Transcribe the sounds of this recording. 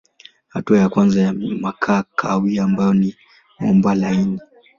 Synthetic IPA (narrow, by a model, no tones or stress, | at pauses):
hatuajakwanzajamakʰaːkʰawiambajɔni | mɔmbwalaini